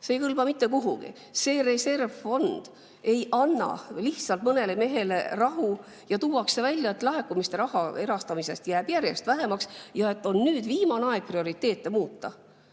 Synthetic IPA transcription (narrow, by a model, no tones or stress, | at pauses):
se̞ːjkɯlb̥ɑmit̪ːe̞kuɦṵɡ̥ḭ | se̞ːre̞se̞rvfo̞nd̪̥ | e̞jʔɑnːɑ̰liht̪sɑlt̪mɤne̞le̞me̞ɦe̞le̞rɑɦu | jɑt̪uːwɑkse̞vælʲjɑe̞t̪ːlɑɦe̞kːˑumist̪e̞ɾɑhɑe̞ɾɑst̪ɑmise̞st̪jæːb̥jæɾje̞st̪væɦe̞mɑksjɑe̞t̪ːˑo̞nːyːd̪̥viːmɑnɑed̪̥̚prio̞ɾit̪ːe̞ːt̪ːˑe̞muːt̪ːɑ